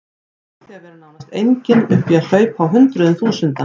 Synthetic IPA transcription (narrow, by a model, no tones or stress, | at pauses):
θɛvɛɾɪnawnast̪ejɲcɪnʏhpjal̥œːɥpawɦʏnt̪ɾʏðʏnθuːsʏnt̪a